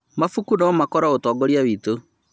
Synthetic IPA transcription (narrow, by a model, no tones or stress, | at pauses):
mafukunaɔmakɔɾaotɔːɡɔɾiawito